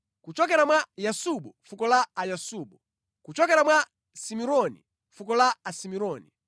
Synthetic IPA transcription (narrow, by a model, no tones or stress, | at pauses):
kut͡ʃɔkɛɾamwajasuɓɔfukɔlaajasuːɓɔ | kut͡ʃɔkɛɾamwa | simiɾɔnḭ | fukɔlaːsimiɾɔːni